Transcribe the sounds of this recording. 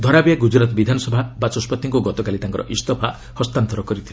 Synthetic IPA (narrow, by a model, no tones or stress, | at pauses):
d̪ʱɔɾabijaɡud͡ʒɾat̪ɔbid̪ʱanɔsɔbʱabat͡ʃɔspɔt̪ːiŋkuɡɔt̪ɔkalit̪aŋkɔɾɔʔist̪ɔpʰa | hɔst̪ant̪ɔɾɔkɔɾit̪ʰile